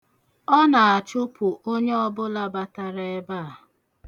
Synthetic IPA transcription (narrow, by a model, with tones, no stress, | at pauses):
ɔ˦na˨a˨t͡ʃʊ˦pʊ˨ʔo˦ɲe˦ɔ˦bʊ˦la˦ba˦ta˦ɾa˦e˦ba˦a˨